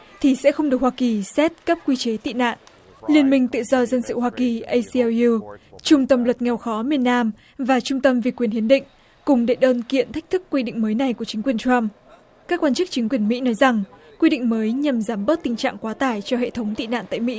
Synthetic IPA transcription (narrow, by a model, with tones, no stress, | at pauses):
t̪ʰi˨˩sɛ̰˧˥xə˧ŋ͡mɗɨ˨˩ək̚waː˧ki˨˩sɛ˦˥t̚kə˦˥p̚kwi˧t͡ɕe˨˦t̪ḭ˧˨na̰ː˧˨nʔ | li˧ənmï˧ŋ̟t̪ɨ̰˧˨zɔ˧zə˧nsɨ̰˧˨hwaː˧ki˨˩ʔə˧jsi˧u˧t͡ɕʊ˧ŋ͡mt̪ə˧mlwə˨˩t̚ŋɛ˨˩wxɔ˨˦mi˨˩ənːaː˧m | vaː˨˩t͡ɕʊ˧ŋ͡mt̪ə˧mvi˨˩kwi˨˩ənhi˨˦ənɗḭ̈˧˨ŋ̟ | kʊ˨˩ŋ͡mɗe˧˩ɗəː˧nkḭ˧˨ənt̪ʰa˦˥k̟̚t̪ʰɨ˦˥kːwi˧ɗḭ̈˧˨ŋ̟məː˨˦jna˨˩jku˧˩ət͡ɕï˨˦ŋkwi˨˩ənt͡ɕwa˧m | kaː˦˥k̚waː˧nt͡ɕɨ˦˥k̚t͡ɕï˨˦ŋ̟kwi˨˩ənmḭ˧˥nɔ˨˦jza˨˩ŋ | kwi˧ɗḭ̈˧˨ŋ̟məː˨˦jɲa˨˩mzaː˨˦mɓə˦˥t̚t̪ï˨˩ŋ̟t͡ɕa̰ː˧˨ŋkwaː˨˦t̪aː˧˩jt͡ɕɔ˧hḛ˧˨t̪ʰə˨˦wŋ͡mt̪ḭ˧˨na̰ː˧˨nt̪a̰ː˧˨jmḭ˧˥